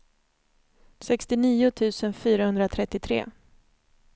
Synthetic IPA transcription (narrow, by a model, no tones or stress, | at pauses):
sɛkst̪ɪniːʊt̪ʰʉ̟ːsənfyːɾahɵnd̪ɾat̪ʰɾɛt̪ːɪt̪ʰɾḛː